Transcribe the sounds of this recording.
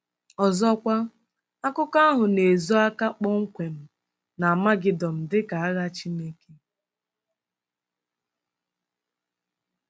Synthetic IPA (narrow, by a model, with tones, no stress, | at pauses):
ɔ˨zɔ˦kʷa˦ | a˦kʊ˦ka˦a˦ɦʊ˨ne˨zo˦a˦ka˦k͡pɔ˦ŋ̩˦kʷe˨m̩˦ | na˨a˨ma˦ɡɪ˨dɔ˨m̩˨dɪ˦ka˨a˦ɣa˦t͡ʃi˦ne˦ke˦